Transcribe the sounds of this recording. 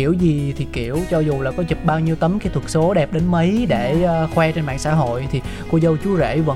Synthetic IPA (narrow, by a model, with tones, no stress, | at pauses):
i˧˩əwzi˨˩t̪ʰi˨˩ki˧˩˨əwt͡ɕɔ˧zu˨˩laː˨˩kɔ˨˦zi˨˩p̚ɓaː˧wɲi˧əwt̪ə˨˦mkaː˨˦jt̪ʰwə˨˩t̚so˨˦ɗɛ˨˩p̚ɗe˨˦nmə˨˦jɗeː˧˩˧xwɛ˧t͡ɕe˧nmɓa̰ː˧˨sa̰ː˧˥ɦo̰˧˨jt̪ʰi˨˩ku˧zə˧wt͡ɕu˨˦zḛ˧˩və̰˧˥